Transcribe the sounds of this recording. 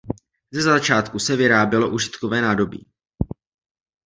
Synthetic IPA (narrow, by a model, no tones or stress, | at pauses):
zɛzat͡ʃaːt̪kusɛvɪɾaːbjɛlo̞ʔuʒɪt̪kovɛːnaːdo̞bḭː